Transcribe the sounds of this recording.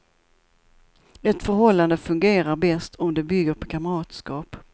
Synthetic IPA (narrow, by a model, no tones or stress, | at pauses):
ɛt̪fœɾɦɔlːand̪əfɵŋɡeːɾaɾbɛst̪ʰɔmd̪ɛbʏɡəɾpʰɔkʰaməɾɑːt̪skɑːp